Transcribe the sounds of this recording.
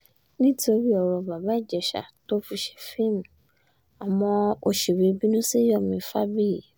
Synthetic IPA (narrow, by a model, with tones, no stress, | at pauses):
nĩ˦ti˦o˧ɾi˦ɔ˧˨ɾɔ˧ba˨ba˨˦i˦˨d͡ʒɛ˨ʃa̰˨to˦fi˧ʃɛ̥˧fi˦˨m˨ | a˨mɔ̃˧o˧ʃe˨ɾi˨˧˦bi˦nũ˦si˦jɔ˦˨mĩ˧˦fa˦bi˦ji˨